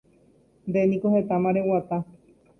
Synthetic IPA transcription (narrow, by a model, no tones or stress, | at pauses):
nd̪enĩkohe̞t̪amãɾewat̪a